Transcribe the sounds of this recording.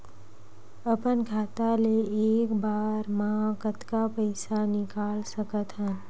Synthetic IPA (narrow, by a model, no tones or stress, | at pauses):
ɐpənɡʱaːt̪aleeːkbaːɾmɐɦãkət̪kapəɪsanɪkaːlsɐkət̪ɦɛ̃